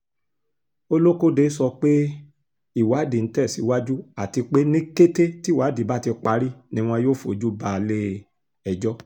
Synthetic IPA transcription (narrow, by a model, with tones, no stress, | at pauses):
o˦lo˦ko˦de˧˦sɔ˧k͡pe˦ | i˦˨wa˨˦dĩ˨n̩˨˦tɛ˦˨si˨˦wa˦d͡ʒu˦a˨ti˧k͡pe˦nĩ˦ke˦te˦ti˦˨wa˨˦di˨ba˦˨ti˧k͡pa˧˦ɾi˦nĩ˦w̃ɔ̃˧joː˦˨fo̰˨˦d͡ʒu˦ba˨le˦ | ɛ˨d͡ʒɔ˦